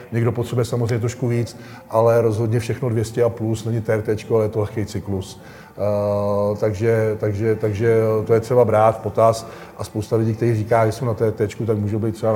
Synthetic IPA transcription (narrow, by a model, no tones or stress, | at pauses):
ɲɛɡdo̞pot̪rɛbujɛsamozrejɲɛt̪ɾoʃkuviːt͡s | ʔalɛɾo̞zɦo̞dɲɛfʃɛxno̞dvjɛscɛaplusnɛɲɪt̪ɛɾt̪ɛt͡ʃkoajɛt̪olɛxkejt͡sɪklus | t̪aɡʒɛt̪aɡʒɛt̪aɡʒɛt̪ojɛt̪r̥ɛbabɾaːt̪po̞t̪as | ʔaspo̞wst̪alɪɟiːkt̪ɛɾiːriːkaːɡɾɪʃsownat̪ɛɾt̪ɛːt͡ʃkut̪akmuːʒowbejt̪ːrɛba